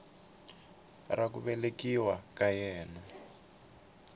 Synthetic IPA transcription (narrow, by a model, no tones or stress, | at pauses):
rakuβɛlekiwakajɛːna